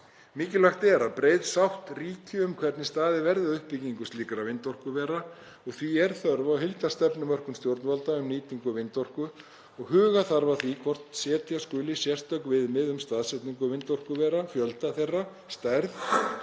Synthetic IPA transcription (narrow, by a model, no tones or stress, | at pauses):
mɪːcɪlaxt̪ɛɾapɾeːjðsawht̪riːcʰʏʏmkʰvɛɾt̪nɪst̪aːðɪvɛɾðɪaðʏhpiciŋkʏst̪iːkɾavɪnt̪ɔr̥kʏvɛːɾa | ɔɣθviɛɾ̥θœɾvawɦɪlt̪ast̪ɛpnʏmœr̥kʏnst̪jowɾt̪nvalt̪aʏmniːt̪iŋkʏvɪnt̪ɔr̥kʏ | ɔɣhʏːɣaθaɾvaθvikʰvɔr̥t̪n̥sjɛːt̪ʰjaskʏːlɪsjɛr̥t̪œkvɪðmɪðʏmst̪aːðsɛt̪niŋkʏvɪnt̪ɔr̥kʏvɛːɾafjœlt̪aθejrːa | st̪ajɾθ